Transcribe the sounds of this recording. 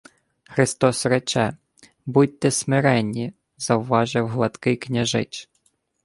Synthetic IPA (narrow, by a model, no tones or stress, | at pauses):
xɾɪst̪ɔsrɛt͡ʃɛ | but̚ʲt̪ɛsmɪɾɛnʲːi | z̥ɐwʋɑʒɪwɦlˠɐt̪kɪknʲɐʒɪt͡ʃ